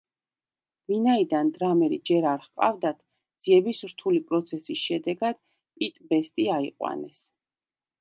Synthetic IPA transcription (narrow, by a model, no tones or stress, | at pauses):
vinaid̪and̪ɾamɛɾḭd͡ʒɛɾaɾχqʼa̰vd̪at̪ʰ | d̪z̥iɛbisɾt̪ʰulipʼɾɔt̪sʰɛsisʃɛd̪ɛɡad̪̥ | pʼit̪ʼbɛst̪ʼiaḭqʼwa̰nɛ̰s